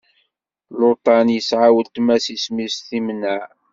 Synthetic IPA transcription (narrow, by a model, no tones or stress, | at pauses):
lot̪ˤɑnjəsʕawəlt̪mæsismisθimnːæʕ